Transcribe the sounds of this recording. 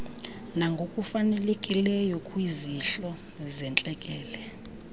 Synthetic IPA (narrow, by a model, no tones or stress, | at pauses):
naŋɡʱokʼufanɛlekʼilɛjɔkʰʼwiziɬɔ | zɛnt͡ɬʼɛkʼɛːlɛ